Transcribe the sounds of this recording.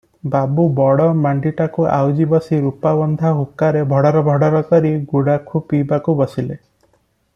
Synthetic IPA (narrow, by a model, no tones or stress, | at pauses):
babubɔɽɔmaɳɖiʈakuʔa̰wd͡ʒibɔsiɾupabɔnd̪ʱaɦukaɾebʱɔɽaɾɔbʱɔɽaɾɔkɔɾiɡuɽakʰupibakubɔsile